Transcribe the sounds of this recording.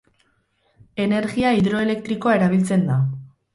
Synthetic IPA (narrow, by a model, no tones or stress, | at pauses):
e̞ne̞ɾɣiaiðɾo̞e̞le̞kt̪ɾiko̞ae̞ɾaβ̞ilt͡se̞nd̪a